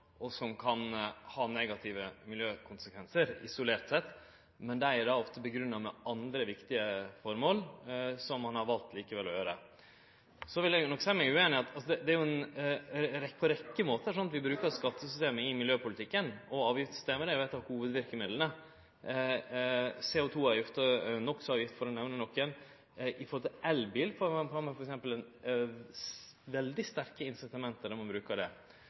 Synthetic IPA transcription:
ʔɔsɔmkʰɑnhɑːnɛɡɑt̪ʰɪʋəmɪljøːkʰʊnsəkʰʋɛnsəɾɪ̰sʊleːɾt̪sɛt̪ː | mɛnd̪ææɖɑːɔft̪əbəɡɾʉnːɑmɛʔɑnd̪ɾəʋɪkt̪ɪəfɔɾmoːlsɔmːɑnhɑɾʋɑlt̪liːkəʋɛlːɔjøːɾə̰ | sɔʋɪljæɡnɔkːsɛːəmɛɡʉːeːnɪɑt̪ɑlsɔd̪ɛd̪ɛæɾjʊɛn | ɾɛpʰɔɾɛkːəmoːt̪əʂɔnːɑt̪ʋɪbɾʉːkəɾskɑt̪ːəsʏst̪eːməɪmɪljøːpʊlɪt̪ʰɪkːənɔɑːʋjɪft̪sʏ̥st̪eːməɾɛʋɛɪt̪ɑʋhuːʋəd̪ʋɪɾkəmɪd̪lənə | seːʊt̪ʰuːɑɾjɪft̪ənɔkːsɔɑːʋjɪft̪fɔɾɔnɛʋnənɔkːən | ʔɪfɔɾhɔlt̪ʰɪlɛlbiːlfɔfɑːmɛfɔɾɛksɛmpəlɛn | ʋɛld̪ɪst̪æɾkəɪnsɪt̪ɑmɛnt̪əɾæmɑnbɾʉːkəɖɛ̰

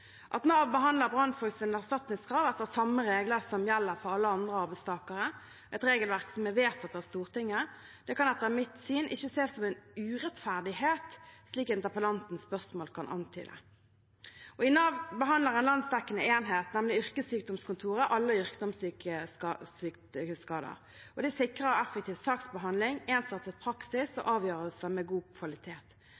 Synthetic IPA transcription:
ʔɑt̪nɑːʋbəɦɑnd̪ləʁbʁɑnfɔsɪnæʁst̪ɑt̪nɪŋskʰɾɑːʋɛt̪ːəʁsɑmːəʁeːɡləʁsɔmjɛlːəʁfɔʁɑlːəɑnd̪ʁəɑʁbæɪst̪ʰɑːkəʁə | ʔɛt̪ʁeːɡəlʋæʁksɔmɛʋeːt̪ɑt̪̚d̪ɛæʁst̪uːʁt̪ʰɪŋːə | d̪̥ɛkʰɑnɛt̪ːəʁmɪt̪syːnʔɪçːəseːsɔmɛnʉːʁɛt̪fæʁd̪ɪheːt̪sliːkɪnt̪əpəlɑnt̪n̩spœʁsmoːlkʰɑnʔɑ̰nt̪ʰy̰ːd̪ɛ̰ | ɔɪnɑːʋbəɦɑnd̪ləʁɛnlɑnsd̪ɛkːənəeːnɦeːt̪nɛmlɪʏʁkəsyːk̚d̪ɔmskʊnt̪ʰuːʁəʔɑlːəʏʁkd̪ɔmsyːkəɑsyːkː | kəskɑːd̪ə̰ʁ | ɔd̪ɛsɪkʁəɔɛfːək̚t̪ʰiːʋsɑːksbəɦɑnd̪lɪŋeːnsɑt̪sət̪pʰʁɑksɪsɔ̰ʔɑːʋjøːʁəsəmɛɡuːkʰʋɑlɪt̪ʰeːt̪

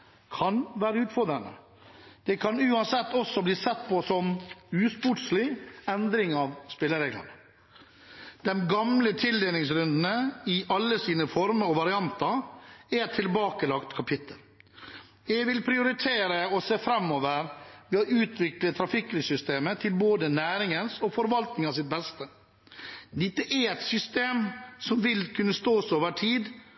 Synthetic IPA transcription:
kʰɑnʋæːɾəʉːt̪fɔɾd̪ɾənə̰ | d̪̥ɛkʰɑnʉːɑnsɛt̪ːɔsːɔbliːsɛt̪ːpʰɔsɔmʉːspʊʈʂlɪɛnd̪ɾɪŋɑʋspɪlːəɾeːɡlɑ̰nə | d̪̥ɛmɡɑmlət̪ʰɪld̪eːnɪŋsɾʉnd̪n̩əɪʔɑlːəsiːnəfɔɾməɾɔʋɑɾɪɑnt̪ɑæt̪ʰːɪlbɑːkəlɑkt̪kʰɑpʰɪt̪ʰːəl | jɛɡʋɪlpʰɾɪʊɾɪt̪ʰeːɾəɔseːfɾɛmːoːʋəɾʋɛːɔʔʉːt̪ʰʋɪklət̪ʰɾɑfɪkːlɪsʏst̪eːmət̪ʰɪlboːd̪ənæːɾɪŋənsɔfɔɾʋɑlt̪nɪŋɑs̬ɪt̪̚bɛst̪ə | d̪ɪt̪ːəʔɛɾɛt̪sʏst̪eːmsɔmʋɪlkʰʉnːəst̪oːsoːʋəʈʰiːd̪

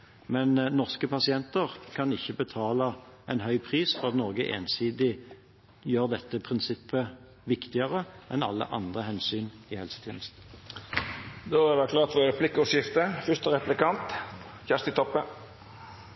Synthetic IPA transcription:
mɛnnɔʁskəpʰɑsɪɛnt̪əʁkʰɑnɪçːəbət̪ʰɑːləʔɛnɦœʏpʰʁiːsfɔʁɑt̪nɔʁɡəʔḛːnsiːd̪ɪ | jøːʁd̪ɛt̪ːəpʰʁɪnsɪpːə | ʋɪkt̪ɪəʁəʔɛnɑ̰lːə̰ʔɑ̰nd̪ʁəhɛnsyːnɪhɛlsə̥t̪ʰjɛ̰ːnəst̪n̩ | d̪oːæɖɛkʰlɑːɾt̪ʋoːɾəplɪkːʊʂɪft̪əfʏst̪əɾɛplɪkɑnt̪ | çæst̪ɪt̪ʰɔpːə

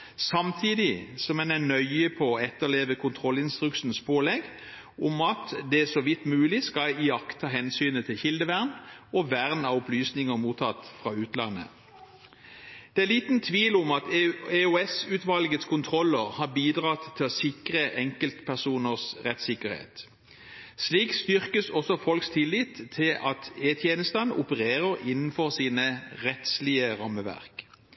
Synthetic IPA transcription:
sɑmt̪ʰiːd̪ɪsɔmɛnænœʏəpʰɔɔɛt̪ːəʁleːʋəkʰʊnt̪ʰʁɔlɪnst̪ʁʉkʂn̩spʰoːlɛɡ | ʔʊmɑt̪d̪ɛsɔʋɪt̪ːmʉːlɪskɑlɪɑkt̪ʰːɑːɦɛnsyːnət̪ʰɪlçɪld̪əʋæʁnɔʋæʁnɑʊplyːsnɪŋəʁmuːt̪ʰɑt̪ːfʁɑʉːt̪lɑ̰nːə̰ | d̪̥ɛæliːt̪nt̪ʰʋiːlʊmɑt̪euɛsʉt̪ʋɑlɡət̪skʰʊnt̪ʰʁɔləʁhɑːbiːd̪ʁɑːt̪ʰːɪlɔsɪkʁəʔɛŋkəlt̪pʰæʁsuːnəʁsʁɛt̪sɪkəʁhḛːt̪ | sliːkst̪ʏʁkəsɔsɔfɔlkst̪ʰɪlːɪːt̪ʰːɪlʔɑt̪eːt̪ʰjeːnəst̪ənəʔʊpəʁeːʁəʁɪnn̩fɔʁsiːnəʁɛt̪slɪəʁɑmːəʋæ̰ʁk

